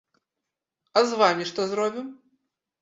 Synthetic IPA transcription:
ɐzvamʲiʂt̪ɔzɾɔbʲim

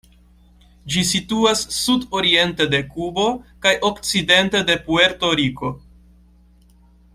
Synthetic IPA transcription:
d͡ʒisituasːudo̞ɾie̞nte̞de̞kubo̞kajʔo̞kt͡side̞nte̞de̞pue̞ɾto̞ɾiko̞

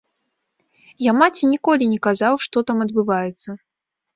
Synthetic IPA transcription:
jamat͡sʲinʲikɔlʲinʲɛkazawʂt̪ɔt̪amɐd̪̚bɨvajɛt̪sːɐ

